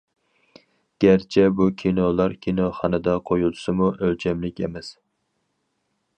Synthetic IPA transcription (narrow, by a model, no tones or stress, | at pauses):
ɡ̥ʲæɾt͡ʃʰɛbukʲʰinolˠɑɾkʲʰinoχɑnɨd̪ɑqʰojulˠʰʊ̥sɨmuʔølt͡ʃʰɛmlɪkʲḛmɛs